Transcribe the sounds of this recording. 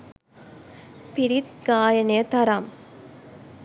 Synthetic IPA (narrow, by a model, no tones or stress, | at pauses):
pɪɾit̪ɡaːjɐneɐt̪ɐɾam